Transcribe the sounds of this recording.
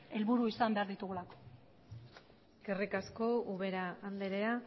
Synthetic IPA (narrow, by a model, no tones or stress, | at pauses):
e̞lβuɾuisambe̞aɾðit̪uɣulako̥ | kerikasko̞uβe̞ɾaːnd̪eɾea